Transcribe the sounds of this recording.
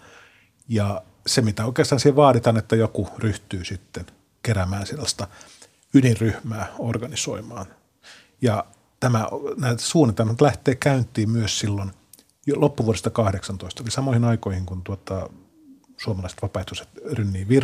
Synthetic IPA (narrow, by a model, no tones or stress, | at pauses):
jɑ | semit̪æoikeːst̪ɑːnsieʋɑːɾit̪ɑnet̪ːæjokuryht̪yːsit̪ːen | keɾæmæːnsielːæst̪ɑ | ynirryhmæːorɡɑniso̰imɑːn | jɑ | t̪æmænæːt̪suːnit̪elmɑt̪læht̪eːkæynt̪ˑiːmyøssilːon | jlopːuʋuoɾest̪ɑkɑhɾeksɑnt̪oist̪olisɑmoˑihinɑikoihiŋkunt̪uot̪ɑ | suomɑlɑise̥t̪ʋɑpɑiht̪use̥t̪rynːiːʋir